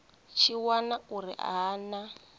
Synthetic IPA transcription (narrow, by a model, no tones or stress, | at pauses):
t͡ʃʰiwanaurḭʔana